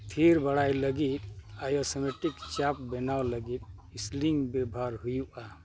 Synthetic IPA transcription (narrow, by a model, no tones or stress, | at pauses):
pʰiɾbəɽajləɡit̪̚ajosemeʈikt͡ʃap̚benaoləɡit̪̚isliŋɡbebʱaɾɦujuʔa